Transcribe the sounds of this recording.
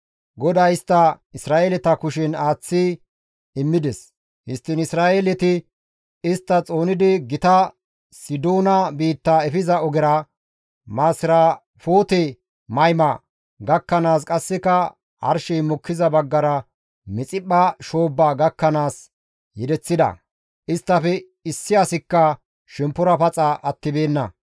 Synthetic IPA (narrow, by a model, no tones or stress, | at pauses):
ɡɔd̪ɐjɪst̪ːɐ | ɪsɾaːʔelɛt̪ɐkʊʃɪnaːt͡sːɪ | ɪmːɪd̪ɛs | hɪst̪ːɪnɪsɾaːʔelɛt̪ɪ | ɪst̪ːɐt͡sʼo̞ːnɪd̪ɪɡɪt̪ɐ | sɪd̪oːnɐbiːt̪ːaɛfɪzɐɔɡɛɾɐ | maːsɪɾaː | foːt̪ɛ | mɐjmɐ | ɡɐkːɐnaːskʼɐsːɪkɐ | hɐ̰ɾʃɛjmɔkːɪzɐbɐɡːɐɾɐ | mɛt͡sʼɪpːɐʃo̞ːbːaːɡɐkːɐnaːs | jɛd̪ɛt͡sːɪd̪ɐ̰ | ɪst̪ːɐfɛ | ɪsːɪjasɪkːɐ | ʃɛmpːʊɾɐpɐt͡sʼɐʔɐt̪ːɪbe̞ːnːɐ̰